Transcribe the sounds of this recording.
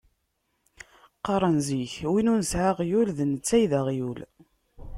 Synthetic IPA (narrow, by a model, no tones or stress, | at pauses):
qːɑɾˤənziçwinunəsʕaʁjulðənət͡sːæjðaʁjul